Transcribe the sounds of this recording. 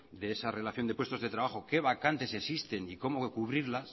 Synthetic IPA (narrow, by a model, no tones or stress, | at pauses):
d̪e̞esare̞laθjo̞nd̪epwest̪o̞zðe̞t̪ɾaβaxo̞ke̞β̞akant̪e̞sesist̪e̞niko̞mo̞kuβ̞ɾiɾlas